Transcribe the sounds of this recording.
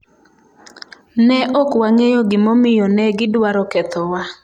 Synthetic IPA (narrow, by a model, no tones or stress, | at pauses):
nɛʔɔkwaŋejɔɡɪmɔmɪjɔnɛɡɪdwaɾɔkɛt̪ʰɔwa